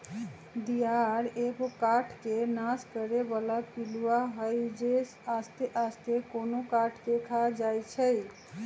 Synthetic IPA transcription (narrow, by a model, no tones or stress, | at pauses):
d̪ijaɾebokaʈʰkenaskəɾebalapiluwaɦəjd͡ʒesast̪eʔast̪ekonokaʈʰkekʰad͡ʒajt͡ʃʰəj